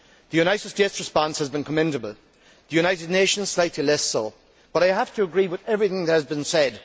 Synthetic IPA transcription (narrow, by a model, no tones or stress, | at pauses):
ðəjʉnaɪsəsd͡ʒ̥ɛst̚ɹɨspɑ̃nshəzbɨ̃nkʰəmɛ̃ndəbəlˠ | ðəjʉñaɪɾɪdⁿneɪʃə̃nz̥slaɪtʰˡlilɛsoʊ | b̥ʌɾaɪɦæftʰəəɡɹiːwɪðɛvɹiθɪ̃ŋðəhɨzbĩnsɛd̥